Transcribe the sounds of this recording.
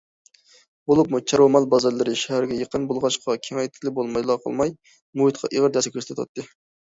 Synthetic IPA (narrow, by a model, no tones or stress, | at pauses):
bolˠupmut͡ʃʰɑɾomɑlˠbɑzɑɾlˠɨɾɨʃæhæɾɡʲɛjəqənbolˠʁɑʃqʰɑkʲʰeŋɛjt̪ʰɪlɪbolˠmɑjlˠɑqʰə̰lˠmɑj | muɨt̪̚qʰɑ̰ʔiʁəɾd̪ɛskʲʰøɾst̪ɛt̪ʰwɑ̰t̪ʰːɨ